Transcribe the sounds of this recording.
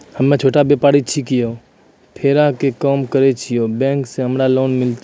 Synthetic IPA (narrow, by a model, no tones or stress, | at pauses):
həmːẽt͡ʃʰoːʈabeːpaːɽit͡ʃʰikɪjo | pʰeːɾakekɔːmkəɾet͡ʃʰɪjobɛ̃ːŋksẽɦəmɾaloːnmɪlt̪